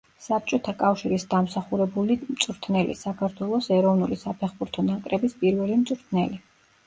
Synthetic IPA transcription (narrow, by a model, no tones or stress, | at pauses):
sap̚t͡ʃʼɔt̪ʰakʼafʃiɾisd̪amsaχuɾɛbulimt̪sʼɾt̪ʰnɛlḭsakʰaɾt̪ʰwɛlˠɔsɛɾɔvnulisapʰɛχbuɾt̪ʰɔnakʼɾɛbispʼiɾvɛlimt̪sʼɾt̪ʰnɛli